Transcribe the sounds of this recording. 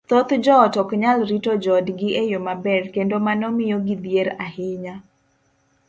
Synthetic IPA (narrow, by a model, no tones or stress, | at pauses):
t̪ot̪d͡ʒɔtɔkɲalɾitod͡ʒɔdɡɪʔejomabɛrkendomanɔmɪjɡɪd̪jeɾahɪɲa